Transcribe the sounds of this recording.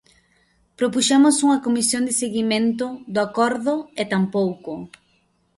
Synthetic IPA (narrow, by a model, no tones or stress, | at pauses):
pɾopuʃamʊsuŋɐkomisjond̪ɪseɣimẽnt̪ʊðʊakɔɾðʊet̪ampowkʊ